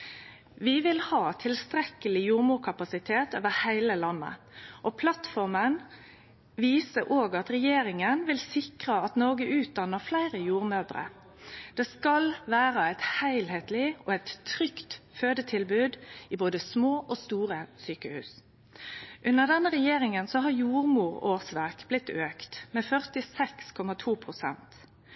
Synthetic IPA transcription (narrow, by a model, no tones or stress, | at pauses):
ʋɪʋɪlhɑːt̪ʰɪlst̪ɾɛkəlɪjuːʁmʊːkʰɑpɑsɪt̪ʰeːt̪oːʋəhæɪləlɑnːə̰ | ʔɔpʰlɑt̪fɔʁmən | ʋiːsəʔoːɡɑt̪ʁɛjeːɾɪŋənʋɪlsɪkʁəɑt̪nɔːɡəʔʉːt̪̚d̪ɑnːəʁflæɪʁəjuːʁmøːd̪ʁə̰ | d̪̥eːskɑlʋæːʁəæɪt̪hæɪlheːt̪lɪɔɛɪt̪ʰːʁʏkt̪føːd̪ət̪ʰɪlbʉːd̪iːboːd̪əsmoːʔoːst̪uːʁəsyːkəhʉ̰ːs | ʔʉnəʁd̪ɛnːəʁɛjeːɾɪŋənsɔɦɑɾjuːʁmuːʁoːʁsʋæʁkblɪt̪ːøːkt̪meːfœʁt̪ɪsɛkskʰɔmɑt̪ʰuːpʰʁʊsɛ̰nt̪